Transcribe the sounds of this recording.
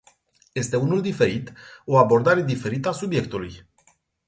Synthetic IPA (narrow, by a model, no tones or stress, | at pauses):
je̞st̪e̞unuld̪ife̞ɾit̪o̞abo̞rd̪aɾe̞d̪ife̞ɾit̪əasubje̞k̚t̪uluj